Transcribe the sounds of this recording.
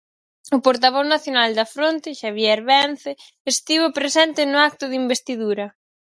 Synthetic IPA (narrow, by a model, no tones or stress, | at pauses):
ʊpoɾt̪aβ̞ɔznaθjonald̪ɐfɾont̪ɪʃaβ̞jɛɾβɛnθɪ | est̪iβopɾesɛnt̪ɪnʊak̚t̪ʊðimbest̪iðuɾɐ